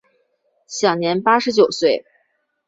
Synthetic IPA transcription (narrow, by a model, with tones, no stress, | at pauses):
ɕjɑ˨˩ŋnjɛ˧˥npa˥ʂɻ̩˧˥t͡ɕjo˨˩ʊswe˥˩ɪ